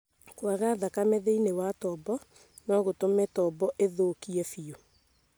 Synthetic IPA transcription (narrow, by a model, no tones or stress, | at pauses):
kwaɣaðakamɛðeinewatɔbɔ | nɔɣotomɛtɔbɔʔeðoːkiɛfio